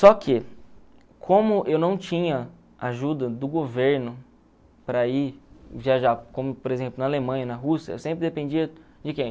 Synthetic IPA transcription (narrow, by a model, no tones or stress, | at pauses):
sɔkʰɪ | kʰõmʊʔewnɐ̃w̃t͡ʃĩɲɐ | aʒud̪ɐd̪ʊɡoveɾnʊ | pɾɐiviaʒakõmʊpoɾezẽplʊnɐalemɐ̃ɲ̃ɐnɐɦusiɐewsẽmpɾɪd̪epẽd͡ʒiɐd͡ʒɪkẽj̃